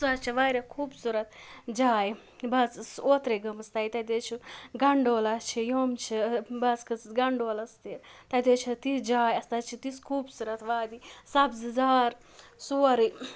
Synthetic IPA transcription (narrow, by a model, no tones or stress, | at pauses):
sat͡ʃʰiʋaːɾʲakʰuːbsuɾɐt̪d͡ʒaːj | bɐzsoːt̪ɾeɡɐmɐst̪aːjt̪ɐd̪eːt͡ʃʰiɡɐɳɖoːlat͡ʃʰijoːmt͡ʃʰibɐskʰɨsɡɐɳɖoːlɐst̪it̪ɐd̪et͡ʃʰit̪id͡ʒaːjɐst̪at͡ʃʰit̪iskʰuːbsuɾɐt̪ʋaːd̪isɐbzɨzaːɾ | suːɐɾi